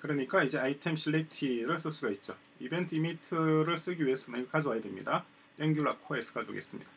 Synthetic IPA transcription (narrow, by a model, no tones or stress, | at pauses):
kɯɾʌɲik͈aid͡ʑe̞aitʰemɕ͈ʰiɭːek̚tʰiɾɯɭs͈ɯs͈uɡait̚t͡ɕ͈o | ibentʰimitʰɯɾɯɭs͈ɯɡiɥies͈ɯnɯkad͡ʑowajedwe̞mɲḭda | jeŋɡjuɭakʰoesʰɯ̥kad͡ʑo̰ɡḭes͈ɯmɲḭd̥a